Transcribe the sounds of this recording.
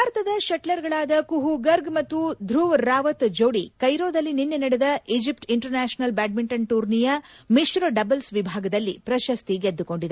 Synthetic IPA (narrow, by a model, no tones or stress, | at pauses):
aːɾɐt̪ɐd̪ɐʃɐʈlɐɾɡɐɭaːd̪ɐkuɦuɡɐɾɡmɐt̪ːud̪ʱɾuːʋɾaːʋɐt̪d͡ʒowɽikɐjɾoːd̪ɐlːininːenɐɽɛd̪ɐid͡ʒipʈiɳʈɐɾnaːʃɐnɐlbaːɖ̚miɳʈɐnʈuːɾnijɐmiʃɾoɖɐbɐlsʋibʱaːɡɐd̪ɐlːipɾɐʃɐst̪iɡed̪ːuko̞ɳɖid̪e